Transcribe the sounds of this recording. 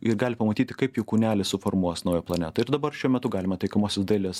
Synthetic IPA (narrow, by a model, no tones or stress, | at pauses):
ɪɾɡɑːlʲɪpɐmɐt̪ʲiːt̪ʲɪkɐɪpjuːkuːnʲæːlʲɪsʊfoɾmuɔsnɐʊjɛplˠɐnʲæ̰t̪ɐɪɾd̪ɐbɐrʃʲuɔmʲɛt̪ʊɡɑːlʲɪmɐt̪ɐɪkɐmoːsʲɛsd̪ɐlʲes